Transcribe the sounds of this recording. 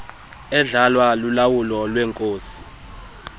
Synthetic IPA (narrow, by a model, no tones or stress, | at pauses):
ɛɮalwalulawulɔlwɛŋkʼoːsi̥